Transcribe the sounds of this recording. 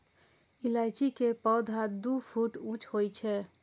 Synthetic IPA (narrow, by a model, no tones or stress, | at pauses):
ilajt͡ʃikepɔd̪ʱad̪upʰuʈũt͡ʃʰɦojt͡ʃʰɛ